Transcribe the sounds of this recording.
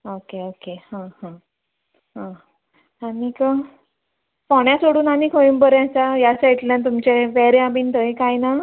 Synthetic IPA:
okeokehãhã | ɦã | anikə | pɔɳjasoɽuːnanikʰojuːnbəɾjãt͡sajasait̪ljãnt̪̬umt͡ɕeʋɛɾeabiːnt̪əjkajna

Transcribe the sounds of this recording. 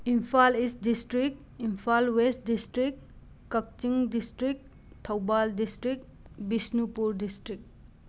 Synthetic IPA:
imfʰalistdisʈɾik̚ | imfʰalwesʈ̚disʈɾik | kɐk̚t͡ʃiŋdisʈɾik̚ | t̪ʰɐwbaldisʈɾik̚ | bisnupuɾdisʈɾik̚

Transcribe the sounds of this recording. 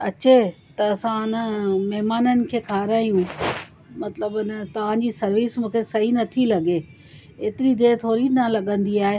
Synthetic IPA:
ɐt͡ɕe | t̪ɐːsãɪnəmɐɦmaːnənɪ̆kʰeːkʰaːɾaːijũ | mɐt̪ləbɪnət̪ɐʋ̤ãd͡ʑiːsɐɾʋiːsmũːkʰesɐɦinɐt̪ʰilɐɠe | eːt̪ɪɾid̪eːt̪ʰoːɾinɐlɐɠə̃nd̪iaːɦe

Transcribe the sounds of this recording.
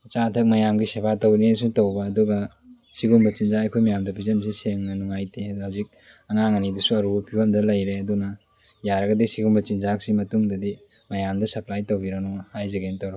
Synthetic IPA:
ɐt͡ʃatʰɐk̚mɐjamɡisebʰatɐwnis̬utɐwbɐːduɡɐ | siɡumbɐt͡ʃinzaɐjkʰojmɐjamdɐpʰizɐmsiseŋːɐnuŋajtʰehawzik̚ | ɐŋaŋɐnidusuɐɾubɐpʰiwamdɐlɐjɾeɐdunɐ | jaɾɐɡɐdisiɡumbɐt͡ʃinzak̚simɐtuŋdɐdi | mɐjamdɐsɐplajtowbiɾɐnɔhajzɐɡentowɾ

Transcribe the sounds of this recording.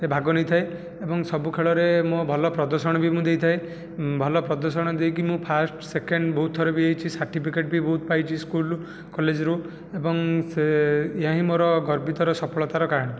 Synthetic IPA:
sebʱaɡɔnejt̪ʰaj | ebɔŋsɔbukʰeɭɔɾemɔ̃bʱɔlɔpɾɔd̪ɔɾsɔɽ̃ɔbimũd̪ejt̪ʰae | bʱɔlɔpɾɔd̪ɔɾsɔɽ̃ɔd̪ejk̬imũpʰasʈsekeɳɖbɔɦut̪ʰːɔɾɔbiejt͡ʃʰisaɾʈipʰikeʈ̚bibɔɦut̪̚pajt͡ʃʰiskul | kɔled͡ʒɾu | ebɔŋsejãɦĩmoɾɔɡɔɾbʱit̪ɔɾɔsɔpʰɔɭɔt̪aɾɔkaɾɔɽ̃ɔ

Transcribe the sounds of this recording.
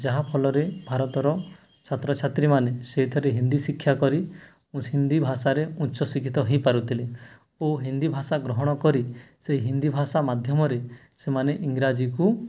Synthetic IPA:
d͡ʒaɦapʰɔlɔɾebʱaɾɔt̪ɔɾɔ | t͡ʃʰat̪ɾɔt͡ʃʰat̪ɾimaneseɦit̪ʰɔɾeɦind̪isikʰːjakɔɾi | hind̪ibʱasaɾeũʃɔsikʰit̪ɔɦĩpaɾut̪ʰile | oɦind̪ibʱasaɡɾɔɦɔɽ̃ɔkɔɾiseɦiɦind̪ibʱasamad̪ʱjɔmɔɾe | semaneʔiŋɡɾad͡ʒiku

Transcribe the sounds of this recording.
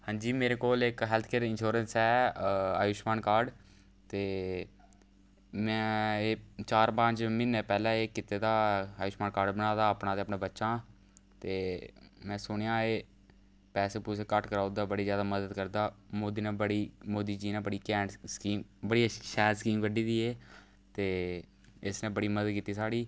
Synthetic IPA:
hãːɲd͡ʒiːmeːɾeːkoːlɪkɦɛːlt̪ʰkeːɾɪnʃoːɾənsɛːaːjʊʃmaːnkaːɾɖ | t̪eː | mɛ̃ːeːt͡ʃaːɾpãːt͡ʃmɪnːɛːpɛːlãːeːkɪt̪eːd̪aːaːjʊʃmaːnkaːɾɖbənaːd̪aːəpnãːt̪eːəpnẽːbətːʃãː | t̪eːmɛ̃ːsʊɳjãːeː | pɛːseːpuseːkəʈkəɾaːʊd̪aːbəɽiːzjaːd̪aːməd̪əd̪kəɾd̪aːmoːd̪iːnẽːbəɽiːmoːd̪iːd͡ʒiːnẽːbəɽiːkɛːskiːmbəɽiːʃɛːɾskiːmkəɖiːd̪iːeː | t̪eː | ɪsnẽːbəɽiːməd̪əd̪̚kiːt̪ːiːsaːɽiː

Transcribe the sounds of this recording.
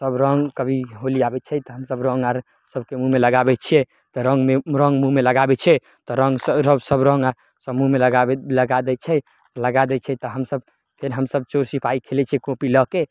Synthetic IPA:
səbɾə̃ŋɡkəbʱiɦoliabɛt͡ʃʰɛt̪ɔɦəmsəbɾə̃ŋɡaɾ | səb̚kemuɦmeləɡabɛt͡ʃʰijɛ | t̪ɔɾə̃ŋɡmeɾə̃ŋɡmuɦmeləɡabɛt͡ʃʰɛ | t̪ɔɾəŋɡsəɾəbsəbɾə̃ŋɡaɾ | səmuɦmelɡaləɡad̪ɛt͡ʃʰɛ | t̪ɔləɡad̪ɛt͡ʃʰɛt̪ɔɦəmsəb | pʰeɾɦəmsəb̚t͡ʃoɾsipaikʰelɛt͡ʃʰɛkõpiləke

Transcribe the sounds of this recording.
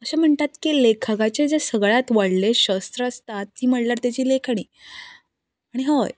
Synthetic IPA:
əɕam̤əɳt̪at̪kilekʰaɡat͡ɕed͡zesəɡɭat̪ʋaɽleɕəst̪ɾəst̪at̪̚ːiːm̤əɽljaɾt̪jat͡ɕiːlekʰaɽ̃iː | aɽ̃iɦəj

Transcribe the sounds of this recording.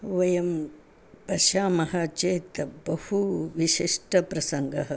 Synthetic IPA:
ʋɐjɐm | pɐʃaːmɐɦɐt͡ʃeːt̪bɐhuʋiʃiʂʈɐpɾɐsɐŋɡɐɦɐ

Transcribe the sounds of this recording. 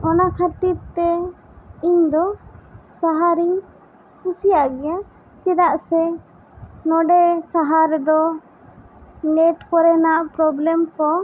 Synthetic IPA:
ɔnakʰəɾt̪iɾt̪ɛ | iɲd̪ɔsaɦaɾiɲ | kusijaʔɡɛja | t͡ʃɛɾaʔsɛ | nɔɖɛsaɦaɾɛd̪ɔ | nɛʈkɔɾɛnaʔpɾɔblɛmkɔ

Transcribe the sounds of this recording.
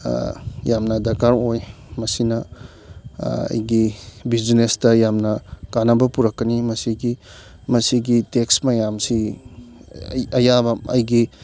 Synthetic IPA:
jamnɐdɐkaɾoj | mɐsinɐ | ɐ̰jɡibid͡ʒnestɐjamnɐkanɐbɐpuɾɐkːɐnimɐsiɡi | mɐsiɡiteksmɐjamsi | ɐjabɐɐ̰jɡi

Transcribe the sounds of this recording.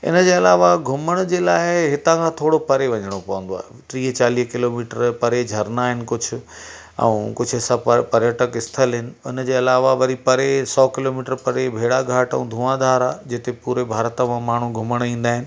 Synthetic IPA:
ɪ̰nə̆d͡ʑeːɐlaːʋaɡʱʊməɽ̃d͡ʑeːlaːɪɦɪt̪ãkʰãt̪ʰoːɽopɐɾeʋɐɲəɽ̃opɐʋə̃nd̪oa̰ːɦet̪ɾiːɦt͡ɕaːliːɦkɪloːmiːʈəɾpɐɾed͡ʑʱɐɾnaɦɪnɪ̆kʊd͡ʑʰʱʊ̆ | ɛ̰̃ũkʊd͡ʑʰʱʊesãpɐɾjəʈəkɪst̪ʰəlɦɪnɪ̆ʊnəd͡ʑeːɐlaːʋaʋɐɾipɐɾesɔːkɪloːmiːʈəɾpɐɾebʱeːɽaɡʱaːʈə̃ũd̪ʱũːãːd̪aːɾaːd͡ʑɪt̪epuːɾebʱaːɾət̪əmãmaːɳ̤uɡʱʊməɽ̃ĩːn̆d̪aːɦɪnɪ̆

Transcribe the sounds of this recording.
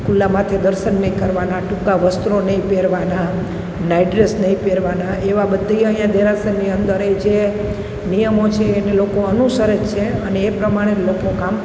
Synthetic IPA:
kulːamãt̪ʰed̪əɾʃənːəĩkəɾʋanaʈukaʋəst̪ɾonəĩpeɾʋana | najɖɾesnəĩpeɾʋanaeʋabəd̪ʱːiəɦjãd̪eɾasənːiənd̪əɾed͡ʒe | nijəmot͡ʃʰeːnelokoənusəɾət͡ʃt͡ʃʰeəneːpɾəmaɽ̃elokokam

